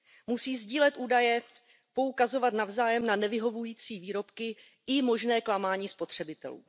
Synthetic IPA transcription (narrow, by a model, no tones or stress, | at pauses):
musiːzɟiːlɛt̪ʔuːdajɛ | po̞ukazo̞vat̪navzaːjɛmnanɛvɪɦo̞vujiːt͡siːviːɾo̞pkɪ | ɪmo̞ʒnɛːklamaːɲiːspo̞t̪r̝̥ɛbɪt̪ɛ̰lṵː